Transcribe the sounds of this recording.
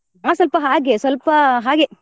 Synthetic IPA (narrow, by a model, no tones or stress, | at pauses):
aːs̬ʋɐlpɐɦaːɡesʋɐlpɐɦaːɡe